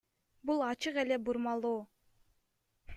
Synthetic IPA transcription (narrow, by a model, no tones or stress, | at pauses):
bulˠɑt͡ʃɯqe̞le̞buɾmɑlˠuː